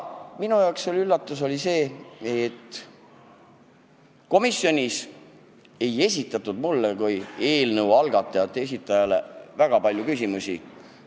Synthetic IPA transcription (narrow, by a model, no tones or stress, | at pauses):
minujɑokselylːɑt̪ːˑuso̞lise̞ːet̪ː | ko̞misːjo̞nʲis | e̞je̞sʲit̪ːˑɑt̪ːˑud̪mulːekuje̞ːlnəwɑlɡ̥ɑt̪ːˑɑjɑt̪ˑːee̞sit̪ːˑɑjɑle̞̰væɡ̥ɑpɑlʲjukysʲimusʲi